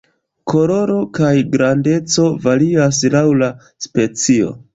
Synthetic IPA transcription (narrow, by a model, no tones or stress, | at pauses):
kʰo̞lo̞ɾo̞kajɡɾande̞t͡so̞valias̬lawla | spe̞t͡sio̞̰